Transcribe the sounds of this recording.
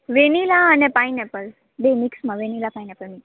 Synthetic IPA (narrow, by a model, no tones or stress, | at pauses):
ʋenilaənepainɛpəl | bemiksmãʋenilapaĩnɛpəlmĩ